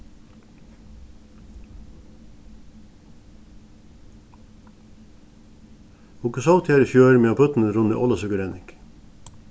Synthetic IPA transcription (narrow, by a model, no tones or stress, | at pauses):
ʊkʉsɑt̪ʰeːɾəfjøːɾmeːoːpʰʉt̪n̩əɾʊnə̰ʔɔləsʉkəɾɛnɪk